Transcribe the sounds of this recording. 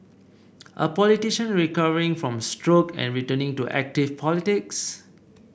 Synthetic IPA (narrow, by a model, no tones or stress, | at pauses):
ʔə̰pɔlitiʃə̃nɹikavəɹĩŋfɹɔ̃mstɹokɛ̰̃nɹitənɪ̃ŋtuʔɛ̰k̚tɪfpʰɔlitɪks